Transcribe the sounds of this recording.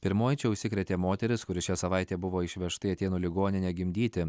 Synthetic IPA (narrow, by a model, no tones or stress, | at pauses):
pʲɪɾmoːjt͡ʃʲɛʊʃʲsʲɪkʲɾʲɛt̪ʲeːmoːt̪ʲɛɾʲɪskʊɾʲɪʃʲæsɐʋɑɪt̪ʲeːbʊʋoːɪʃʲʋʲɛʃt̪ɐɪɐt̪ʲeːnuːlʲɪɡoːnʲɪnʲeːɡʲɪmʲd̪ʲiːt̪ʲɪ